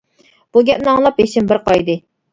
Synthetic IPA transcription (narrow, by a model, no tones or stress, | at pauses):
b̥uɡʲɛp̚nɨɑŋlˠɑpɦeʃɪmbɪɾqɑjd̪ɨ